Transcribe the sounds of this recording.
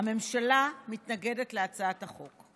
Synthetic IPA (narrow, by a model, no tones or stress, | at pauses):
ame̞mʃalamitnaɡe̞de̞tle̞at͡saataχo̞k